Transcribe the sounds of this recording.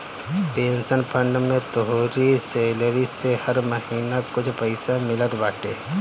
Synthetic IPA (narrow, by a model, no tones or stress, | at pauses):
pẽːnsənpʰə̃ɳɖmẽt̪əɦoːɾiseːləɾisehɐɾmɐhiːnakʊt͡ʃʰpəɪsamɪlət̪baːʈḛː